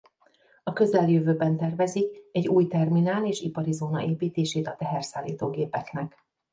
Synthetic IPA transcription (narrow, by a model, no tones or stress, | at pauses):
ɒkø̞zɛljøvøːbɛnt̪ɛrvɛzikɛɟːuːjt̪ɛrminaːleːʃipɒɾizoːnɒ̰ʔeːpiːt̪eːʃeːt̪ɒt̪ɛɦɛrsaːlːḭːt̪oːɡeːpɛknɛk